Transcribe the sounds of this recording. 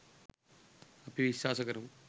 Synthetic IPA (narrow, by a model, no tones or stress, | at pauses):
ɐpiʋiʃaːsɐkɐɾɐm